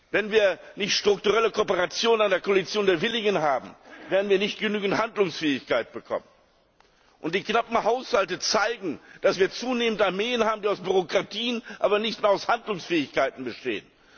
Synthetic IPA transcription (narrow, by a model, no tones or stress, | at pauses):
vɛnviːɐ | nɪçtʃtʁ̥ʊktuʁɛləkʰoːpəʁat͡sjoːnənandeːɐkʰoalit͡sjoːndeːɐvɪlɪŋənɦaːbm̩veːɐdn̩viːɐnɪçt̚ɡ̥ənyːɡŋ̩thandlʊŋsfɛːɪçkʰaɪt̚b̥əkʰɔ̰mən | ʔʊntd̥iːknapm̩haʊshaltət͡saɪɡŋ̩d̥asv̥iːɐt͡suːneːməntaɐmeːənhaːbm̩diːaʊsb̥yʁokʁ̥atʰiːənʔaːbɐnɪçtmeːɐaʊshandlʊŋsfɛːɪçkaɪtn̩bəʃtḛːən